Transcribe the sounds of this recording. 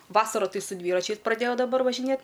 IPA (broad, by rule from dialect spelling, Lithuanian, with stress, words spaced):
ˈʋɑːsɐrʊ ˈtɐɪ sʊ ˈdʲʋʲiːrɐt͡ʃʲɛɪs prɐˈdʲeːjɛʊ dɐˈbɐr ʋɐʒʲɪˈnʲeːt